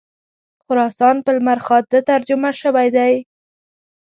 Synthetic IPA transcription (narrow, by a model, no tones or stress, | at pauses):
xʊɾɑsɑnpəlmaɾxɑt̪̚d̪ət̪aɾd͡ʒʊmaʃəwajd̪aj